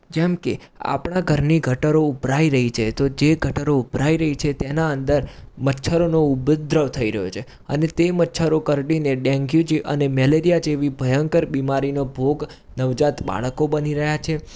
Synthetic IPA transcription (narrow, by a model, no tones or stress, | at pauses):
d͡ʒɛmkea̰pɽ̃aɡʱəɾniɡʱəʈəɾoubɾaiɾəɦit͡ʃʰet̪od͡ʒeɡʱəʈəɾoubɾaiɾəɦit͡ʃʰet̪enaənd̪əɾmətːʃʰəɾonoubd̪ɾəʋt̪ʰəiɾəɦjot͡ʃʰe | ə̰net̪emətːʃʰəɾokəɾɖineɖɛ̃ŋɡjud͡ʒiʔə̰nemɛleɾijad͡ʒeʋibʱəjəŋkəɾbimaɾinobʱoɡ | nəʋd͡ʒat̪ba̰ɭ̃əkobəniɾəɦjat͡ʃʰe